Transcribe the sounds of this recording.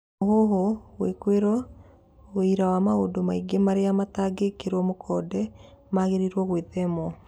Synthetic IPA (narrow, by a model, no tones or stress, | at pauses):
oɦoɦowekweɾɔ | weiɾawamaodomaiɡemaɾeamataɡekeɾwɔmokʰɔdɛ | maɣeɾiɾwɔɣweðɛmɔ